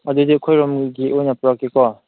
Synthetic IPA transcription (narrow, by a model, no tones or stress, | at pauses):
ad̪udikʰɔjɾɔmɡiʔɔjnapɾakːikɔ